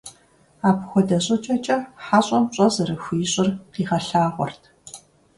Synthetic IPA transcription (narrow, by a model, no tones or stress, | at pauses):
aːpxʷɔdɐɕʼɐt͡ʃʼɐt͡ʃʼɐħaɕʼɔmɕʼɔzɐɾɐxʷijɕʼɪrqiːχɐɬaːʁʷɔ̰rtʰ